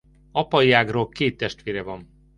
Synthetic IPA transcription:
ɒpɒjaːɡroːlkeːt̪ːɛʃt̪ʋeːɾɛvɒn

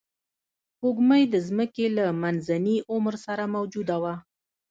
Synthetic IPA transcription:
kuɡməjd̪əzməkelamanzaniʔʊmɾsaɾamawd͡ʒud̪awa

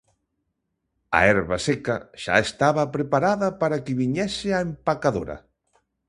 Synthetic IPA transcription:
a̰ɛɾβasɛkaʃa̰est̪aβɐpɾepaɾaðɐpaɾakɪβiɲɛsɪaempakaðo̰ɾɐ̰

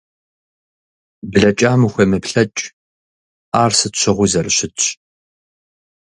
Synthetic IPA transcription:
bɮɐt͡ʃʼaːmuxʷɐmɨpɬɐt͡ʃʼ | aːrsɨtɕʰʷɪʁʷʊzɐrɕɪt

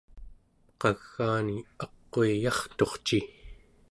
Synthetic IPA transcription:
qɑɣ̥ːaːniɑqːoijɑχt̪o̞χt͡ʃi

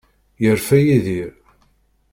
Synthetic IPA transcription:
jəɾfæjiðiɾ

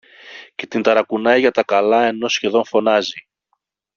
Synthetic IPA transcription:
ce̞t̪int̪ɐɾɐkunɐjʝɐt̪ɐkɐlɐe̞no̞sçe̞ðo̞nfo̞nɐzi

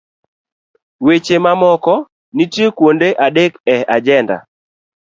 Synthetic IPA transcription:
wet͡ʃemamɔkɔ | nitjekwondeʔadekɛad͡ʒɛnda̰

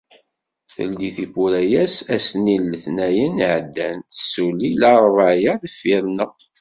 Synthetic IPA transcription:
θə̰ld̪iθibuɾæjæsæsnilːəθnæjənʕəd̪ːænθəsːulilɑɾˤvaʕjæðəfːiɾnəʁ

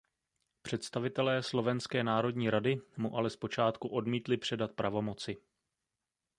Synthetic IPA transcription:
pr̝̥ɛt̪st̪avɪt̪ɛlɛːslo̞vɛnskɛːnaːɾo̞dɲiːɾadɪmuʔalɛspo̞t͡ʃaːt̪kuʔo̞dmiːt̪lɪpr̝̥ɛdat̪̚pɾavo̞mo̞t͡sɪ

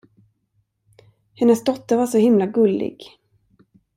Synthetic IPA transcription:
hɛnːəsd̪ɔt̪ːəɾvaʂɔhɪmlaɡɵlːɪ̰ɡ̥

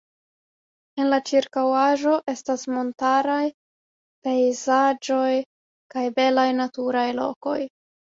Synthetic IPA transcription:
e̞nlat͡ʃiɾkawaʒo̞ʔe̞stasmo̞ntaɾaj | pe̞jzad͡ʒo̞j | kajbe̞lajnatuɾajlo̞̰ko̞j

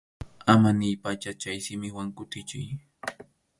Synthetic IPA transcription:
amanɪjpat͡ʃat͡ʃajsɪmɪwaŋkʊt̪ɪt͡ʃɪj

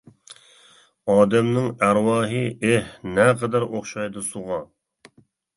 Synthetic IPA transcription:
ɑːd̪ɛmnɪŋæɾwɑːɦɨehnɛqʰɛd̪æɾoχʃɑjd̪ɨsuʁɑ

